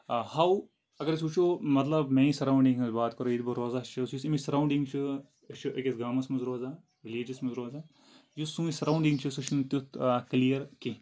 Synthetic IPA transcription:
haw | ɐɡɐɾs̬uːt͡ʃʰomɐt̪lɐbmẽĩsɐɾaũɳɖiŋɡɐzbaːt̪kɐɾoid̪bɐɾoːzat͡ʃʰɨsjusimisɐɾaw̃ɳɖiŋɡt͡ʃʰɨ | t͡ʃʰɨʔɐkʲesɡaːmɐsmɐzɾoːza | ɾiliːd͡ʒɐsmɐzɾoːza | jusũːisɐɾawɳɖĩŋɡt͡ʃʰɨsuʃʰint̪jut̪klijɐɾki

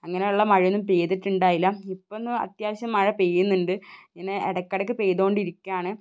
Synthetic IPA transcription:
ɐŋːɐne̞juɭːɐmɐɻijonːumpeːðiʈːuɳɖaːjilːɐipːonːɨɐ̰t̪jaːʋɐɕjɐmːɐɻɐpeːjunːuɳɖɨɲɐneḛɽɐkːɐɽɐkːɨpejðo̞ːɳɖiɾikʲːuaːɳɨ

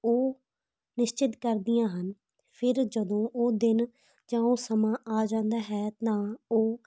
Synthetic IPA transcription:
oː | nɪʃt͡ʃɪt̪kəɾd̪ijãːɦən | pʰɪɾd͡ʒəd̪õːʔoːd̪ɪn | d͡ʒãːoːsəmãːʔaːd͡ʒãːnd̪aːɦɛːt̪ãːoː

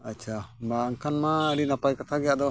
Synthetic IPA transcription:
at͡ʃʰabaːŋkʰanmaəɾinapajkat̪ʰaɡɛjaʔd̪ɔ

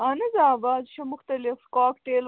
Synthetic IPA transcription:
anɐzaːbaːzʃɐmʊxt̪ɐlɪfkaːkʈeːl

